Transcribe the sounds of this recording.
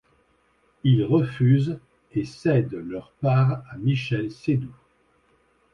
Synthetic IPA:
ilʁəfyz | esɛd̪lœʁpaːʁamiʃɛlsed̪u

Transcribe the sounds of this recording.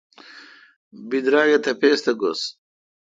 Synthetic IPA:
bid̪ɾaːɡet̪ʰɐpest̪ɐɡos

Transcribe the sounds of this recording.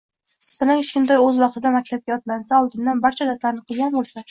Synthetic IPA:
salaŋɪʃkʲɪnd̪ɒjɵzvɑq̚t̪ɪd̪amak̚ʲt̪ʰap̚kʲaɒt̪lansaɒlˠd̪ɪnd̪anbaɾt͡ʃʰad̪aslaɾnɪqʰɨlˠɡʲanbolˠsa

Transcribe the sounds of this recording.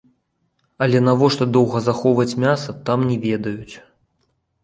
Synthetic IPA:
ɐlʲɛnavɔʂt̪ɔd̪ɔwɣɐzaxɔwvɐt͡sʲmʲasɐt̪amnʲɛvʲɛd̪ɐjut͡sʲ

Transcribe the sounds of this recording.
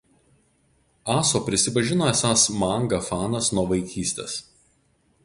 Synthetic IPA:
ɑːsoːpʲɾʲɪsʲɪpɐʒʲɪnoːɛsɑːsmɑˑŋɡɐfɑːnɐsnuɔʋɐɪkʲiːsʲt̪ʲḛːs

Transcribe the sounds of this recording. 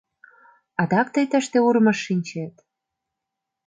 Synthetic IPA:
ɑd̪ɑk̚t̪ə̆jt̪ə̆ʃt̪euɾmɤ̆ʃːinʲt͡ɕet̪

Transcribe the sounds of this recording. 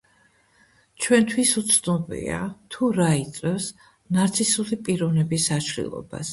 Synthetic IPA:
t͡ʃʰwɛnt̪ʰwisut̪sʰnɔbḭa̰t̪ʰuɾait̪sʼwɛfs | naɾt̪sʰisulipʼiɾɔnɛbisaʃʰɾḭlˠɔ̰ba̰s

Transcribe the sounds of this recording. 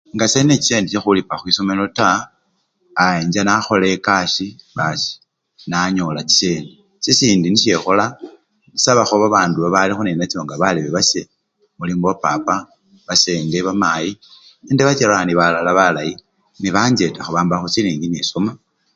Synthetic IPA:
ŋɡaseneiseːndit͡ʃexulipaxwisomelo̞taː | eɲd͡ʒanaxo̞lekasiβasi̥ | naɲo̞lat͡si̥sene | sisiːndiniʃe̞xola | nisaβaxoβaβaːnduβaβalixunenat͡sioŋɡaβaleβeβase | muliːmboβapa̰pa | βaseːndeβamaji | eːndeβat͡ʃeɾaniβalalaβalaji | niβaːɲd͡ʒe̞taxuβaːmbaxot͡siliːŋɡinesoma

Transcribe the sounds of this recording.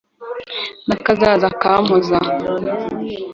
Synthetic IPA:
nakazazakamoza

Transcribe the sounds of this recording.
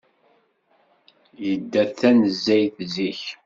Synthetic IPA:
jəd̪ːæθænəzːæjθziç

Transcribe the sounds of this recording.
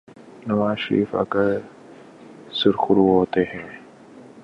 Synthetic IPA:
nɐʋaːzʃəɾḭːfɐ̰kə | sɪɾxʊɾuːɦoːt̪eɦɛ̃ː

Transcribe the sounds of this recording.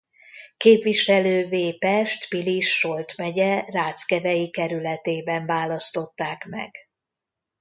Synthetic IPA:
keːpʋiʃɛløːveːpɛʃt̪piliʃːo̞lt̪mɛɟɛraːt̪skɛvɛjikɛɾylɛt̪eːbɛɱvaːlɒst̪o̞t̪ːaːkmɛ̰ɡ̥

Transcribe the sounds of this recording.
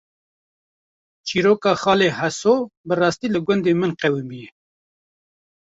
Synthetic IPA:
t͡ʃiːɾoːkɑːxɑːleːhɛsoːbɨrɑːst̪iːlɨɡʷʊnd̪eːmɨnqɛwimbijɛ

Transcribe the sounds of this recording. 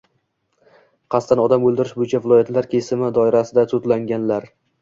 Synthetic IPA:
qʰɑst̪anɒd̪amɵlˠd̪ɪɾɪʃbʊjɪt͡ʃʰavɪlˠɒjat̪laɾkʲʰe̞sɪmɪd̪ɒɪɾasɪd̪at̪ʰʊt̪laŋɡʲanlaɾ

